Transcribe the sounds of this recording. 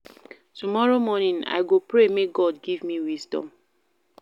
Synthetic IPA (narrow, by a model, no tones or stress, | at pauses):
tumɔɹomɔnĩna̰jɡopɹemeɡɔdɡivmiwisdɔ̰̃m